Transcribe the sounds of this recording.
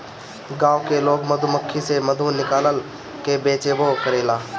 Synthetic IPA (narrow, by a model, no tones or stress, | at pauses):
ɡãːokeloːɡməd̪ʱʊməkʰːiseməd̪ʱunɪkaːləl | kebeːt͡ʃeːbokəɾeːlaː